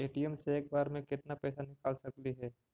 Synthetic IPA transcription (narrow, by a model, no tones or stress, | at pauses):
eːʈijəmseːk̚baːɾmẽkɪt̪napɛːsanɪkaːlsɐkliɦɛː